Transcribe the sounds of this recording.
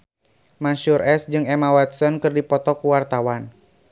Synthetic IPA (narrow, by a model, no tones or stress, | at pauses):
mansurʔɛsd͡ʒɨŋɛmawat̪̚sɔnkɨrdipɔt̪ɔkuwart̪awan